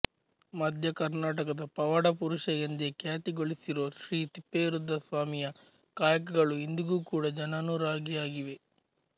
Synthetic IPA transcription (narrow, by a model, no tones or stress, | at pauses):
mɐd̪ʱjɐkɐɾnaːʈɐkɐd̪ɐpɐʋɐɽɐpuɾuʃɐjend̪ekjaːt̪iɡoɭisiɾoːʃɾiːt̪ipːeːɾud̪ʱːɐsʋaːmijɐ | kaːjɐkɐɡɐɭuind̪uɡuːkuːɽɐd͡ʒɐnɐnuɾaːɡijaːɡiʋe̞